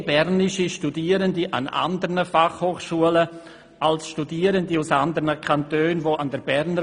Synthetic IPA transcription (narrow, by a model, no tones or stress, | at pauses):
bɛɾnɪʃiʃtudiːəɾəndiʔa̰na̰ndəɾnəfaχhoːχʃuələ | alsʃtudiːəɾəndiusand̪əɾnəkʰantøːnvoːʔandəɾbɛɾnə